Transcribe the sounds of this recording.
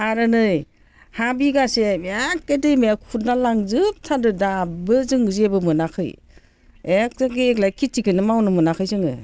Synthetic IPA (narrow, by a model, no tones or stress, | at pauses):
aɾɯnɯj | habiɡasebak̚ːedɯjmajakʰut̚nalaŋzɯp̚tʰadɯdabɯzɯŋzebɯmɯnakʰɯ̰j | ek̚zaɡieklajkʰitikʰɯnɯmawnɯmɯnakʰɯjsɯŋɯ̰